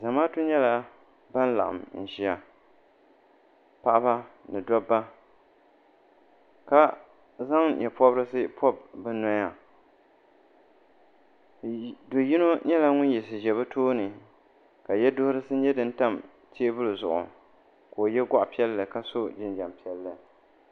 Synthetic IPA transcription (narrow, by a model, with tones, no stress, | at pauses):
za˨maː˦tʊ˦ɲɛ˦la˦ | ba˦n˦la̰˨ʔa̰˨mn̩˨ʃi˨a˨ | pa˦ʔa˦ba˦nɨ˨dɔ˦bːa˦ | ka˦ | za˦ŋjɛ˨pɔ˦bɾɨ˦sɨ˦pʰɔ˦b̚bɨ˦nɔ˦ja˨ | do˨ji˦no˦ɲɛ˦la˦ŋʊ˦n˦jɛ˨sɨ˨ʒɛ˨βa˦tʰoː˦nɨ˨ | ka˨jɛ˦dʊ˦hʊ˦ɾɨ˦sɨ˦ɲɛ˦dɨ˦n˦ta˦˨m | tʰi˦e˦bʊ˦lɨ˨zʊ̰˨ʔʊ̰˨ | koː˨jɛ˦ɡa˦ʔpi˦ɛ˦lːɨ˨ka˦so˦d͡ʒɪ˦nd͡ʒa˨mpi˦ɛ˦lːɨ˨